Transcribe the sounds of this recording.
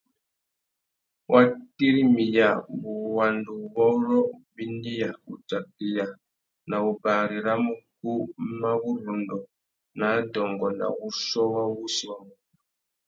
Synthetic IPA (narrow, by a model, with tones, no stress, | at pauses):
wʔa˦ti˦ɾi˦mi˨ja˨bu˨wa˨ndu˨βɔ˦ɾɔ˦bi˦ndi˦ja˨u˨ta˨k̚i˨ja˨ | na˨u˨ba˨ɾi˨ɾa˦mu˦ku˦ma˦βu˦ɾu˨ndɔ˨ | na˨˦dɔ˨ŋɡɔ˨na̰˨ɣu˦sɔ˦wa˦wu˦si˨wa˨mu˦˨